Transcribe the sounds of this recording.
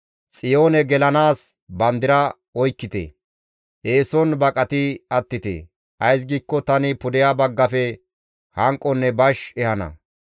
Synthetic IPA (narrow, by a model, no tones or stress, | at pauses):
t͡sʼɪjo̞ːnɛɡɛlɐnaːs | bɐnd̪ɪɾɐ | ɔjkːɪt̪ḛ | ʔeːsɔnbɐkʼɐt̪ɪɐt̪ːɪt̪ḛː | ʔɐjs̬ɡiːkːɔt̪ɐnɪpʊd̪ɪjabɐɡːɐfɛ | hɐŋkʼːɔnːɛbɐʃɛhɐnɐ̰